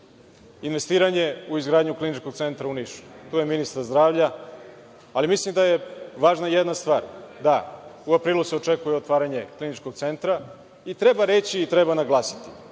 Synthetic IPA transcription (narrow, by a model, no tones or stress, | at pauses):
inʋe̞st̪iːɾaɲe̞uizɡɾaːd̪ɲuklinit͡ʃko̞ɡ̚t̪se̞nt̪ɾauniʃu̥t̪uːjeminist̪aɾzd̪ɾaːʋʎa | alimislimd̪ajeʋaːʒnajed̪nast̪ʋaːɾd̪auapɾiːlˠuseo̞t͡ʂekujeot̪ʋaːɾaɲe̞klinit͡ʃko̞ɡ̚t̪se̞nt̪ɾa | it̪ɾe̞baɾet͡ɕiːt̪ɾebanaɡlˠaːsi̥t̪i̥